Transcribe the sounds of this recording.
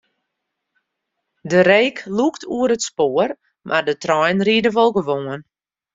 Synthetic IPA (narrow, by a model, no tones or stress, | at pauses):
dəɾeːkʰluktʰuəɾətspoːər | mʔardətrɔjnridəʋɔlˠɡəʋoːən